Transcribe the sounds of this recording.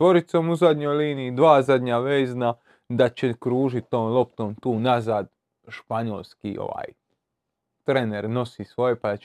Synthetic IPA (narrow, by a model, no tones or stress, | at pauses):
t̪ʋo̞ɾit̪somuzad̪ɲo̞jliːniːd̪ʋaːzad̪ɲaʋeːzna | d̪at͡ɕekɾuːʒit̪̚ʲːoːmlˠo̞pt̪omt̪uːnazaːd̪ | ʃpaɲo̰lˠskḭo̰ʋa̰ːj | t̪ɾeneɾno̞sisʋo̞jepad̪a